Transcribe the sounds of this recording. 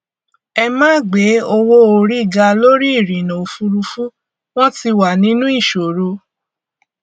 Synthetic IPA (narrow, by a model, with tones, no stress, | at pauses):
ɛ˧mãː˦˨ɡ͡be˨˦o˧wo˦o˧ɾi˦˨ɡa˧lo˦ɾi˦i˦˨ɾĩ˨nã˨o˨fu˧ɾu˧fu˦ | w̃ɔ̃˦ti˧wa˨nĩ˨˦nũ˦i˦˨ʃo˨ɾo˧